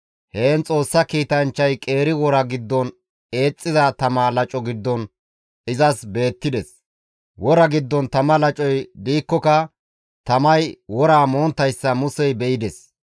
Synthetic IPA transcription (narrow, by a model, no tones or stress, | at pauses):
heːnt͡sʼo̞ːsːɐkiːt̪ɐnt͡ʃːɐjkʼe̞ːɾɪwɔɾɐɡɪd̪ːɔn | e̞ːt͡sʼːɪzɐt̪ɐmaːlɐt͡ʃʼɔɡɪd̪ːɔn | ɪzɐsbe̞ːt̪ːɪd̪ɛs | wɔɾɐɡɪd̪ːɔnt̪ɐmɐlɐt͡ʃʼɔjd̪iːkːɔkɐ | t̪ɐmɐjwɔɾaːmoːnt̪ːɐjsːɐmʊsɛjbɛʔɪd̪ɛs